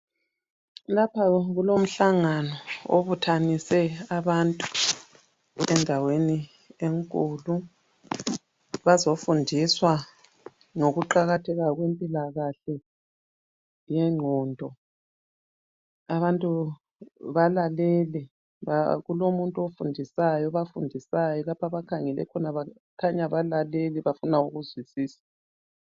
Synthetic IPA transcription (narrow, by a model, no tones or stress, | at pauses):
lapʰaɣulom̩ɬaŋanɔo̰βutʰanisɛaβantʼu | ɛndʱaweni | eŋkʼulu | βazofundʱiswa | ŋoɣuǃaɣatʰɛɣaɣwempʼilaɣaɬɛ | jɛŋ͡ǃʱɔːndʱɔ | aβantʼu | βalalɛlɛ | βa̰ɣulomuntʼuofundʱisajɔβafundʱisajɔlapʰaβakʰaŋɛlɛ̰kʰɔnaβa | kʰaɲaβalalelɛβafunauɣuzwisiːsḁ